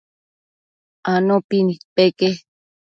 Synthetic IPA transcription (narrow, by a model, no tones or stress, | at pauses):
anõpinipeke